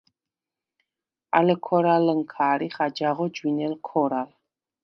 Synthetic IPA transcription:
a̰ləkʰɔɾaləŋkʰaːɾiχad͡ʒaʁɔd͡ʒwinɛlkʰɔɾal

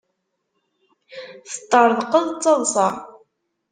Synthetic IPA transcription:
θə̥t̪ˤːəɾˤðˤqəðˤt͡sːɑðˤsɑ

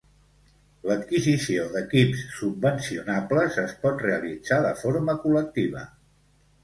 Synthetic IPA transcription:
lət̪kizisioðəkipsːub̚ːənsiunapləzəspɔt̪reəlid͡zaðəfoɾməkulək̚t̪iβ̞ə̰

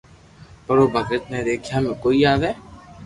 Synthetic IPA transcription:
pɐɾoːbʱɐkɾɪt̪̚neɾeːkʰjaːmẽkoːijaːd̪ɦɛː

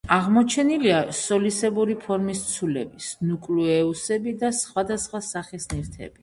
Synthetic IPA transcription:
aʁmɔt͡ʃʰɛniliasɔlisɛbuɾipʰɔɾmist̪sʰulɛ̰bisnukʼluɛusɛbid̪asχwad̪asχwasaχisniɾt̪ʰɛ̰b̥i

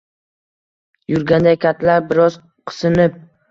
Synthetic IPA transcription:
jʊɾɡʲand̪akʲʰat̪ʰlaɾbɪɾɒz | qʰɨ̥sɨnɪp̚

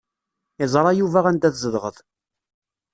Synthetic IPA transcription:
ɪzˤɾˤɑjuvæʁænd̪æθzəðʁəðˤ

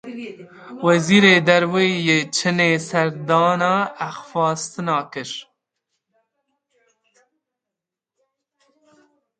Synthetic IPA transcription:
waziɾed̪aɾwejet͡ʃʰənesɐɾd̪ɑːnaaxfɑːst̪nɑːkəʂ

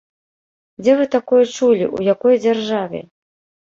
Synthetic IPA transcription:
d͡zʲɛvɨt̪akɔjɐt͡ʂulʲḭʔṵjakɔjd͡zʲarʐavʲɛ̰

